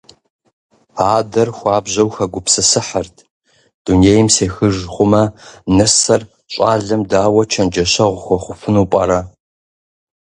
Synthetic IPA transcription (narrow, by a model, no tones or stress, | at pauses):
aːdɐrxʷaːbʑɐwxɐɡʷʊpsɨsɨħɐrtʰ | d̥uneːjɪmseːxɨʒχʷʊmɐnɨsɐr | ɕʷʼaːɮɐmdaːwɐt͡ʃʰɐnd͡ʒɐɕɐʁʷʊxʷɔχʷʊfɨnuːpʼɐ̰ɾɐ